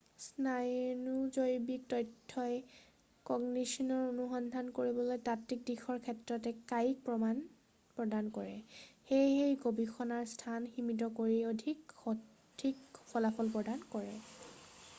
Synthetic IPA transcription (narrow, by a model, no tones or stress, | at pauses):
snajnuzojbik̚tɔjtʰːɔj | kɔɡnisɔnɔɹonuxɔndʱankoɹibɔlojtatːik̚dixʰɔɹkʰɛtɹɔtɛkajk̚pɹɔman | pɹɔdankɔɹɛxejejɡobixɔnaɹstʰanximit̬ɔkoɹiodʱik | tʰikpʰɔlapʰɔlpɔdankɔɹɛ